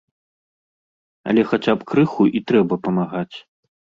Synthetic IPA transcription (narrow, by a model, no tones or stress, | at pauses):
ɐ̰lʲɛxat͡sʲapkɾɨxuʔit̪ɾɛbɐpɐmaɣat͡sʲ